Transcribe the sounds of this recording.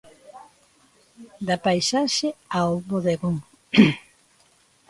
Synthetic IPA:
d̪apajsaʃeaoβoðeɣoŋ

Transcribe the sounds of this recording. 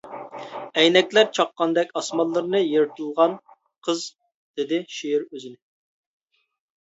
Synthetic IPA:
ɛjnɛkʲlæɾt͡ʃʰɑqːɑnd̪ɛkʲɑsmɑlˠːɨɾɨnɨjeɾɨt̪ʰɨlˠʁɑn | qʰəz | d̪̥ɪd̪ɪʃijiɾøzɪnɪ

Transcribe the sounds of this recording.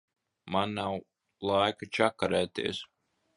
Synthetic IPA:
manːaw | lˠajkat͡ʃakːaɾɛːt̪ḭɛs

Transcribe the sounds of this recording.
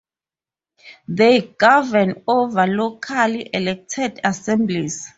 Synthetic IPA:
ðejɡ̥avɛnovalokʰaliʔɛlɛk̚tʰɛdasɛ̃mbliz

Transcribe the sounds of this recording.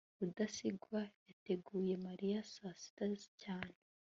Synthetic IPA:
udasiɡwajate̞ɡuːje̞maɾijasasi̥tazcaːɲe

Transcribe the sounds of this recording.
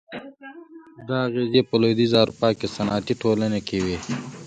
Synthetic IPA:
d̪aːɣezepəlod̪izɑːɾupɑːkesɐnɑːt̪iʈoːlənekewi

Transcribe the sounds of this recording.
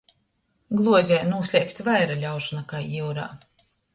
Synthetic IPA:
ɡlˠuɔzʲɛːjnuɔsʲlʲiːksʲt̪ʲvajɾalʲawʃanakajiwɾa̰ː

